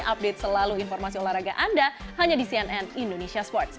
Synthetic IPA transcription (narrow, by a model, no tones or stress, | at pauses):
ʔap̚det̪̚səlaluinfɔrmasiolahɾaɡa̰ʔandahaɲadisiɛnɛnindonesiaspɔrt̪̚s